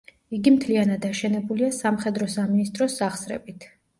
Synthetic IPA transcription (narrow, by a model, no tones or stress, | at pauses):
iɡimt̪ʰlianad̪aʃɛnɛbuliasamχɛd̪ɾɔsaminist̪ʼɾɔsːaχsɾɛ̰bit̪ʰ